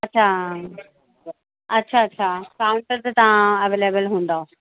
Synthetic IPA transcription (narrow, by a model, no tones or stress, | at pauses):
ɐtːɕʰa | ɐtːɕʰaɐtːɕʰakaːʊ̃ɳʈəɾt̪ət̪ɐʋãɐʋeːleːbəlɦũːn̆d̪ao